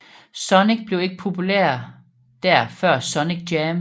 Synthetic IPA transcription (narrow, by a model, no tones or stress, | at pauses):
sɒ̽neɡ̥̚b̥le̝ʊe̝ɡ̥əpʰo̝pʰulæ̰ɐ̰ | d̥æɐ̰fɶɐ̰sɒ̽neɡ̥̚d̥jɛm